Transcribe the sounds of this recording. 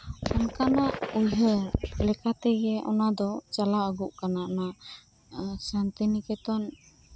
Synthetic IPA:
ɔnkanaʔujɦəlɛkat̪ɛɡɛʔɔnad̪ɔt͡ʃalaəɡuʔkanaʔna | sant̪inikɛt̪ɔn

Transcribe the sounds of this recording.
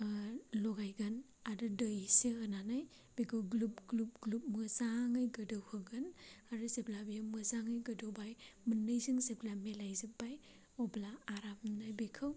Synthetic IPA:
lɔɡajɡan | adɯdəjseɯnanaj | b̥ekʰɯwɡlup̚ɡlup̚ɡlup̚mɯzaŋɯjɡɯdɯwhɯɡɯnaɾɯseplabijamɯzaŋɯjɡɯdɯwbajmɯnːɯjzɯŋseplamelajzɯp̚baj | ɔblaːɾamnajbekʰɯw

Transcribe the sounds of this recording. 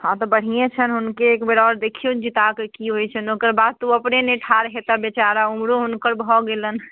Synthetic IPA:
hãt̪ɔbəɽ̤ijet͡ʃʰənɦunkeːkbeɾɔɾd̪ekʰijũd͡ʒit̪akekiɦojt͡ʃʰənokəɾbad̪̚t̪uəpneneʈʰaɾɦet̪abet͡ʃaɾaumɾoɦunkəɾbʱɔɡelən

